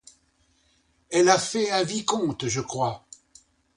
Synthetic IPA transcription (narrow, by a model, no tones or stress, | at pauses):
ɛlafɛɛ̃vikɔ̃t̪ʒəkχwa